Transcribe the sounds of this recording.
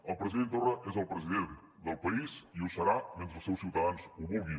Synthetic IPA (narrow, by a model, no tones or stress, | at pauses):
ɐlˠpɾəziðẽnt̪oraʔɛzɐlˠpɾəziðẽnt̪ | d̪ɐlˠpɐiziusɐɾamẽnt̪ɾusewsiwt̪ɐðansuβoɣi